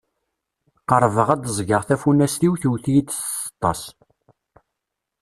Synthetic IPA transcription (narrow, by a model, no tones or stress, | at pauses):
qəɾˤvəʁæd̪əzˤɡəʁθæfunæst̪iwθiwθijit͡s̪ːə̥t̪ˤːɑs